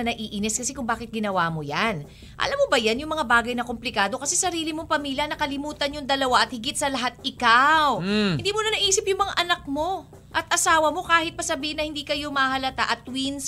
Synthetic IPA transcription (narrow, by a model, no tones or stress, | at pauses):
ɐnɐʔiːʔinɛs̚kɐsɛkʊŋbaːkɪt̪̚ɡɪnɐwamo̞jan | ʔɐ̰lamːobɐjanjʊŋmɐŋabaːɡɐjnɐkomplɪkaːd̪o̞kɐsɛsɐɾiːlɪmoŋpɐmiːljɐnɐkɐlɪmuːt̪ɐnjʊŋd̪ɐlɐwaʔɐt̪̚hɪɡɪt̪̚sɐlɐɦat̪̚ʔɪkawhɪnd̪iːmonɐnɐʔiːsɪp̚jʊŋmɐŋaʔɐnɐk̚mo̞ | ʔɐt̪ʔɐsaːwɐmo̞kaːhɪt̪̚pɐsɐbiːhɪnɐhɪnd̪iːkɐjo̞mɐhɐlɐt̪a̰ʔɐt̪̚wins